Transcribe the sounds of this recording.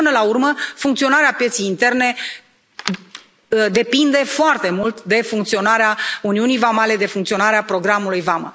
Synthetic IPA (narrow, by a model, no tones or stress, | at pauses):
ɨnəlaurməfuŋkt̪sio̞naɾeapje̞t̪sejint̪e̞rne̞ | d̪e̞pind̪e̞foart̪e̞mult̪d̪e̞fuŋkt̪sio̞naɾeauniunijvamale̞d̪e̞fuŋkt̪sio̞naɾeapɾo̞ɡɾamulujvamə̰